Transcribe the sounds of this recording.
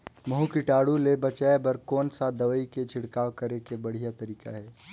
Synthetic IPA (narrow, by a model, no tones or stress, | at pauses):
mɐɦũkɪʈaːɽulebɐt͡ʃaːebɐɾkɔːnsad̪ɐʋəiket͡ʃʰɪɽkaːʋkɐɾekebɐɽ̤ijat̪ɐɾiːka̰ɦɛː